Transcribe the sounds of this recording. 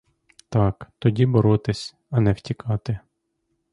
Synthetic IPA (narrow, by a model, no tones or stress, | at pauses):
t̪ɑkt̪ɔdʲibɔɾɔt̪ɪsʲ | ɐnɛwtʲikɑt̪ɪ